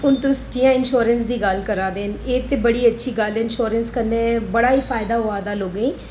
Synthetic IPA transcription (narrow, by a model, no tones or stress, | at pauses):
ʊnt̪ʊsʈiːãːɪnʃoːɾənsd̪iːɡəlkəɾaːd̪eːneːt̪eːbəɽiːətːʃʰiːɡəlɪnʃoːɾənskənːeːbəɽaːiːfʰaːɪd̪aːɦʊaːd̪aːloːɡeĩː